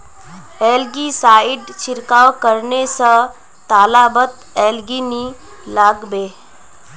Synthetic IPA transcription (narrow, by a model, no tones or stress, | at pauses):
ɛːlɡisaːɪɖt͡ʃʰɪɾkaːwkəɾnesə | t̪aːlabət̪ | ɛːlɡini | laːɡbeː